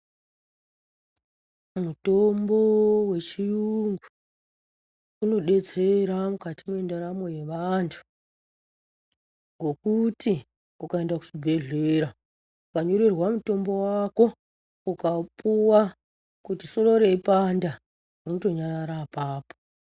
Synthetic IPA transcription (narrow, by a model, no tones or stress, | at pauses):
muto̞mbo̞we̞t͡ʃijuŋɡu | uno̞ɗe̞t͡seɾamukatimwe̞ndaɾamo̞je̞ʋantʰu̥ | ŋɡo̞kuti | ukae̞ndaku̥ʐibʱe̞ɮe̞ɾa | ukaɲoɾirwamuto̞mbo̞wako̞ | ukapuwa | kutiso̞ro̞ɾeipanda | unoto̞ɲaɾaɾapaːpo̥